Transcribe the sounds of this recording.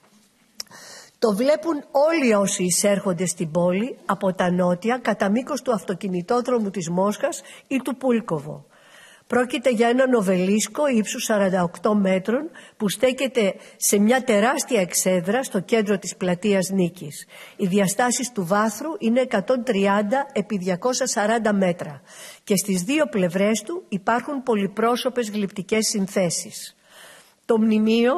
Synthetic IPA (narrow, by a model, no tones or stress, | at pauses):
t̪o̞vle̞puno̞lio̞siːse̞ɾxo̞nd̪e̞st̪ibo̞liɐpo̞t̪ɐno̞t̪iɐkɐt̪ɐmiko̞st̪uɐft̪o̞cinit̪o̞ðɾo̞mut̪izmo̞sxɐsit̪upulko̞vo̞̰ | pɾo̞cit̪e̞ʝɐe̞nɐno̞ve̞lisko̞ipsusɐɾɐnd̪ɐokt̪o̞me̞t̪ɾo̞npust̪e̞çe̞t̪e̞se̞mɲɐt̪e̞ɾɐst̪iɐekse̞ðɾɐst̪o̞ce̞nd̪ɾo̞t̪isplɐt̪iɐznicisiðiɐst̪ɐsist̪uvɐθɾuʔine̞ːkɐt̪o̞nt̪ɾiɐnd̪ɐe̞piðʝɐko̞sɐsɐɾɐnd̪ɐme̞t̪ɾɐce̞st̪izðio̞ple̞vɾe̞st̪uipɐɾxumpo̞lipɾo̞so̞pe̞zɣlipt̪ice̞sːinθe̞sis | t̪o̞mnimio̞